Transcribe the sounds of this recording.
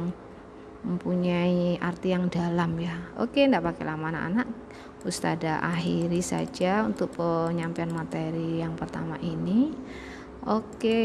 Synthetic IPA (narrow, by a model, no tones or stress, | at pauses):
ŋ | məmpuɲaiʔart̪ijaŋdalamjao̰kendaʔpakelamanaka̰naʔ | ust̪adaʔaɦiɾisa̰d͡ʒaunt̪ʊk̚pəɲampɛanmat̪eɾijaŋpərt̪a̰maʔini | oke